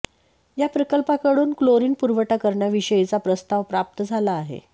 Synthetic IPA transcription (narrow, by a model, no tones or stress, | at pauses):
japɾəkəlpakəɽuːnkloɾiːnpuɾʋəʈakəɾɳjaʋiɕəjt͡sapɾəst̪aʋpɾap̚t̪əd͡zʱalaːɦḛ